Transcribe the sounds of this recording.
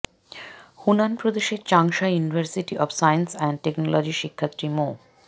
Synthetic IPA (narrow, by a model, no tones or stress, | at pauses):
hunanpɾod̪eʃeɾt͡ɕaŋʃajjunibʱaɾsiʈiʔɔfsajnsɛnʈeknolɔd͡ʑiʃikʰːat̪ːɾimo